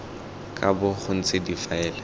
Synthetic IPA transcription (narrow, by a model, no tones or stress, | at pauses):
kʼabʊχʰʊn̩t͡sʼɪdifaɛːlɛ